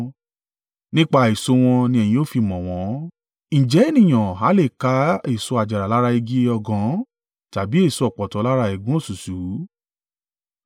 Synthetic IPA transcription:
nĩ˦k͡pa˧i˨so˨˧w̃ɔ̃˧nĩ˧ɛ˧˨j̃ĩ˧˦o˦˨fi˧mɔ̃˨w̃ɔ̃˨˦ | ñ̩˨d͡ʒɛ˨˦e˦˨nĩ˨j̃ɔ̃˨ɦa˨˦le˦˨ka˨˦e˦˨so˧a˨d͡ʒa˨ɾa˨la˦ɾa˧i˧ɡi˦ɔ˧ɡɔ̃˨˦ | ta˨bi˦e˦˨so˧ɔ˨k͡pɔ˨tɔ˨˦la˦ɾa˧i˨ɡũ˦o˦˨su˨su˨˦

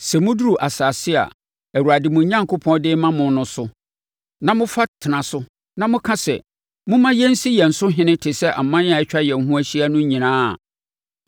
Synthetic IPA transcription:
sɛ˨mʊ̃˦du˦ɾu˨ʔa˨sa˨sɪ˦a̰˨ | æ˨wa˨dɪ˨mʊ̃˨˦ɲã˦ŋkʰo˦pʰɔ̃˦n˦dɪ˦mã˦mʊ̃˨n˦nʊ̃˨sʊ˦ | nã˦mʊ̃˦fa˦tʰɪ˨nã˨sʊ˦ | nã˦mʊ̃˦kʰã˦sɛ̰˨ | mʊ̃˦mã˦jɛ˦n̩˦si˦jɛ̃˨n̩˨sʊ˦ɦɪ̃˦nɪ̃˦tʰɪ˨sɛ˦ʔa˨mːã˦n˦a˨ɛ˦t͡ɕᶣa˦jɛ̃˨n˨ɦũ˦æ˦ɕi˦a˦nʊ̃˦ɲĩ˨nãː˦a˨

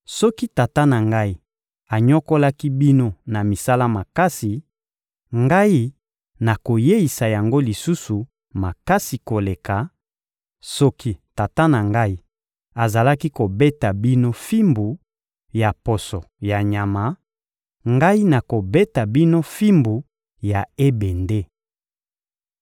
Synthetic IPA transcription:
sɔ˦ki˦ta˨ta˦na˨ŋɡa˦i˦ | a˨ɲɔ˦ko˦la˦ki˦bi˦no˦na˨mi˨sa˦la˦ma˨ka˦si˨ | ŋɡa˦i˦ | na˨ko˨je˦i˨sa˨ja˨ŋɡo˦li˨su˦su˨ | ma˨ka˦si˨ko˨le˨ka˨ | sɔ˦ki˦ta˨ta˦na˨ŋɡa˦i˦ | a˨za˨la˦ki˦ko˨be˦ta˨bi˦no˦fi˦mbu˨ | ja˨pɔ˨sɔ˨ | ja˨ɲa˨ma˨˦ | ŋɡa˦i˦na˨ko˨be˦ta˨bi˦no˦fi˦mbu˨ | ja˨e˦be˨nde˦

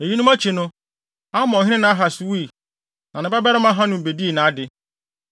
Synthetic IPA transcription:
e˨ji˦nʊ̃˦mæ˦t͡ɕʰi˨nʊ̃˦ | a˦mɔ̃˨ɦɪ̃˦ɪ̃˦nã˨˦a˦ɦa˨su˨wi˦i˨ | nã˨nɪ̃˨bɛ˦bɛ˦ɾɪ˦mã˦ɦã˦nʊ̃˨be˨di˦e˨nã˨˦dɪ˨

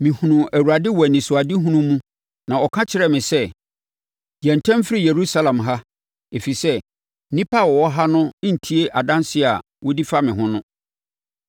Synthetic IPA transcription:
mɪ̃˨hũ˨nũ˨æ˨wu˨ɾa˨dɪ˦wɔ˨nĩ˨sʊ˨a˨dɪ˦ɦũ˦nũ˦mũ˦ | nã˨ɔ˨kʰã˦t͡ɕʰɪ˦ɾɛ˦mɪ̃˨sɛ˦ | di˨ɛ̃˨n˨tʰɛ̃˦m˦fɪ˦ɾi˦je˨ɾu˦sa˦lã˨mɦa˦ | e˨fi˨sɛ˦ | nĩ˦pʰa˦˨wɔ˨wɔ˦ɦa˦nʊ̃˦n̩˨tʰi˦e˦ʔa˨dã˦nsɪ˦˨a˨ | wɔ˦di˦fa˦mɪ̃˨ɦʊ̃˦nʊ̃˦

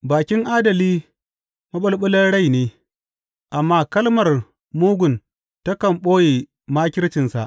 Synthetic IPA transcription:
baː˨kʲɪ˦ŋʔaː˦dɐ˨liː˦ | mɐ˦ɓɐ˦lɓʊ˦lɐ˦nɽa˦˨jneː˦ | ʔa˨mːaː˦kɐ˦lmɐ˨r | muː˦ɡʷʊ˨n | tɐ˦kɐ˨mɓoː˦ji˨ | maː˦kʲɪ˦ɾt͡ʃɪ˨nsa̰˨ʔ

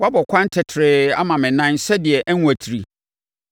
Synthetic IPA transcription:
wa˦bɔ˨kʷʰã˦n˦tʰɪ˨tʰɪ˨ɾɪ˦a˦mã˨mɪ̃˨nã˦nsɛ˦dɪ˨ɛ˨ʔɛ˦ŋ˦a˨tʰi˨ɾi˨

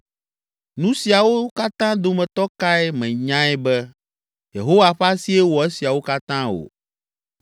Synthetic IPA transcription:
nũ˦si˨a˨wo˦ka˦t̪ã˦d̪o˦mɛ̃˨t̪ɔ˦ka˦ɛ˦mɛ̃˨ɲã˦ɛ˦bɛ˦ | jḛ˨ɦo˦wa˨ɸa˦si˦ɛ˦wɔ˨ɛ˦si˨a˨wo˦ka˦t̪ã˦o̰˨

